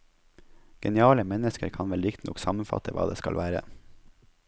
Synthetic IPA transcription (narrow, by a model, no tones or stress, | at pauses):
ɡ̥ɛnɪɑːləmɛnəskəɾkʰɑnʋɛlɾɪkt̪nɔ̰ksɑmənfɑ̰t̪ʰəʋɑ̰ːd̪eːskɑlʋæːɾə̰